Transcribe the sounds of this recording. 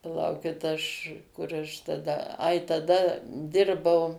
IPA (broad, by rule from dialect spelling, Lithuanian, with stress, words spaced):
pɐˈlˠɐʊkʲɪt ˈɐʃ ˈkʊr ɐʃ tɐˈdɐ ˈɐɪ tɐˈdɐ ˈdʲɪrbɐʊ